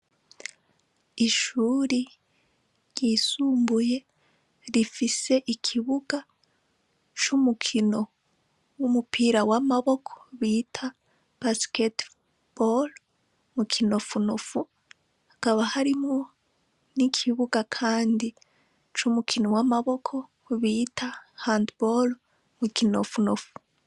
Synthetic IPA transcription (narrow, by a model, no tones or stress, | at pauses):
iʃuːɾi | ɟ̥iːsuːmbuje̞ | ɾifise̞ʔikʰiβuɡa | t͡ʃumukʰino̞ | wumupʰiːɾawamaβo̞kʰo̥βiːtʰa | b̥asket | b̥ol | mukʰino̞funofu | hakaβahaɾimŋo̞ | nikʰiβuɡakʰaːndi | t͡ʃumukʰinowamaβo̞kʰo̞ | βitʰahandbol | mukinofunofu̥